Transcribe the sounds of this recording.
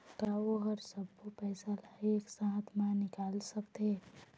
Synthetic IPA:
kaːʋoɦɐɾsɐb̚kopɛːsaleeksãːɦt̪mãnɪkaːlsɐkt̪eː

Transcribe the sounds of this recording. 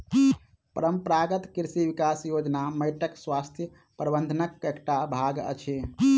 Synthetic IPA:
pəɾəmpɾaɡət̪kiɾsiʋikasjod͡ʒnaməjʈəkswast̪ʰjə | pɾəbənd̪ʱənəkːekʈabʱaɡə̰t͡ʃʰi

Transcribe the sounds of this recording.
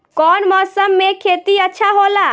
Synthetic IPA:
kɔːnmɔsəmːekʰet̪iətːʃʰaɦola

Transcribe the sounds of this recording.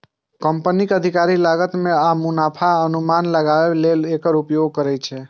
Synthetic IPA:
kəmpənikəd̪ʱikaɾilaɡət̪mẽamunapʰaənumanləɡaʋelelekəɾupjoɡ̚kəɾɛt͡ʃʰe

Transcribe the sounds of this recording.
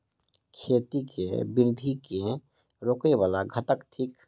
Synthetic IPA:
kʰet̪ikʰḛbɪɾd̪ʱike | ɾoːkebaːlaɡʱət̪əkt̪ʰik

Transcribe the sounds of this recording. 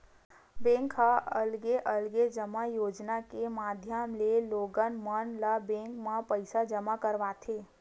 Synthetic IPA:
bẽːŋkɦaəlɡeʔəlɡed͡ʒəmajoːd͡ʒnakemaːd̪ʱjəmleloːɡənmənlabẽːŋkmãpəɪsad͡ʒəmakəɾʋaːt̪ʰeː

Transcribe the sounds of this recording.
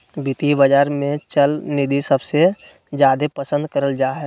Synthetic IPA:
bɪt̪ibəd͡ʒaːɾmẽt͡ʃəlnid̪ʱisɐbse | zjaːd̪epɐsə̃nd̪kəɾəld͡ʒaːɦɛ

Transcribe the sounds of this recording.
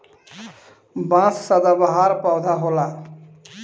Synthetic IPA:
bãssəd̪abaɦaɾpawd̪ʱaɦola

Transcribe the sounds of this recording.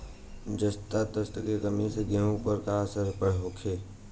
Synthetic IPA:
d͡ʒəst̪at̪əst̪əkekəmiseɡẽɦũpəɾkaːsəɾpəɽ̤ɦoːkʰeː

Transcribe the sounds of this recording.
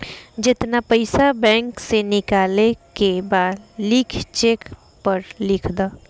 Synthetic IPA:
d͡ʒɪt̪napɐɪsabɛ̃ːŋksenɪkaːlekebaːd̪lɪkʰt͡ʃeːk | pɐɾlɪkʰd̪aː

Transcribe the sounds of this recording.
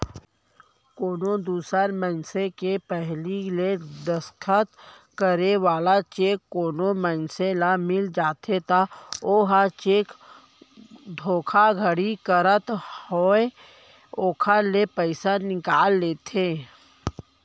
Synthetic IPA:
koːnod̪uːsəɾmə̃nsekepɛɦliled̪əskʰət̪ | kəɾeʋaːlat͡ʃeːkːoːnomənselamɪld͡ʒaːt̪ʰet̪aoːɦat͡ʃeːk | d̪ʱoːkʰaɡʱəɽikəɾət̪hoːe | oːkʰalepəɪsanɪkaːlːeːt̪ʰeː

